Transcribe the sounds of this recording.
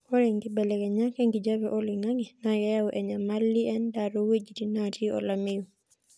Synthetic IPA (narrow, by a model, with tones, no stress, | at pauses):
ɔ˦ɾe˨ŋɡɪ˦bɛ˨lɛ˨kɛ˨ɲa˦kɛ˦ŋɡi˨d͡ʒa˦bɛʔɔ˦lɪ˨ŋa˦ŋɛ˨najɛ˦ja˦ʔɛ˨ɲa˨ma˦lːi˦ɛ˦ndaɾowe˦d͡ʒi˨ti˦natʰi˦ɔ̰˨lamɪju˨